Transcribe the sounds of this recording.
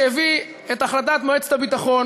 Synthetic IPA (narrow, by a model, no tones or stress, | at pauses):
jevi | et̪aχlat̪̬at̪moet͡se̥t̪abit̪aχo̞n